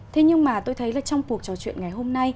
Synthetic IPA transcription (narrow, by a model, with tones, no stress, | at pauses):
t̪ʰe˨˦ɲɨ˧ŋmaː˨˩t̪o˧jt̪ʰə˨˦jlaː˨˩t͡ɕɔ˧wŋ͡mku˨˩ək̚t͡ɕɔ˨˦t͡ɕwḭ˧˨ənŋa˨˩jɦo˧mna˧j